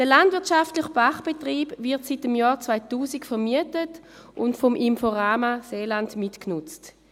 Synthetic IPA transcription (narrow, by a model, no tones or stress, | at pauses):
d̥əlandvɪɐt͡ʃaftlɪχb̥aχb̥etʁiːbvɪɐtsit̚dəmjɔːʁt͡svaɪtuːsɪkfɛʁmiətət | ʔʊntfɔmʔimfoʁaːmaseːlandmitknʊt͡st